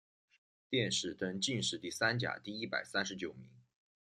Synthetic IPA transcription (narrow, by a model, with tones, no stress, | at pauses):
t̪jɛ˥˧nʂɻ̩˥˩t̪ə˥ŋt͡ɕi˥˧nʂɻ̩˥˧t̪i˥˩sa˥nt͡ɕja̰˨˩t̪i˥˩i˥pa̰˨˩ɪsa˥nʂɻ̩˧˥t͡ɕjo˨˩ʊmi˧˥ŋ